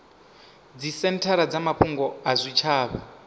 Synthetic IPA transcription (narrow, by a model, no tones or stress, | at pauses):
d͡zisɛntʰaɾad͡zamaɸʰuŋɡɔazʷit͡ʃʰaːβa